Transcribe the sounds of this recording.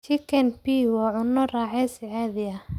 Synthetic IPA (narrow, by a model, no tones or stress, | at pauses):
t͡ʃikʰɛnpiwɑːʕʊnːɔraːħɛsɪʕɛːðɪjɐ